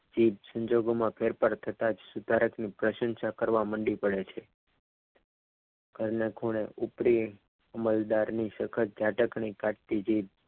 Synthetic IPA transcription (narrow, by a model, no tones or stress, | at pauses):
d͡ʒib̚sə̃ɲd͡ʒoɡomãpʰeɾpaɾt̪ʰət̪ad͡ʒsut̪aɾəknipɾəʃə̃nʃakəɾʋaməɳɖipəɽet͡ʃʰe | ɡ̥ʱəɾnekʰuɽ̃eʔupɾi | əməld̪aɾniʃəkʰət͡ʃd͡ʒʱaʈəkɳikaʈ̚t̪id͡ʒib̚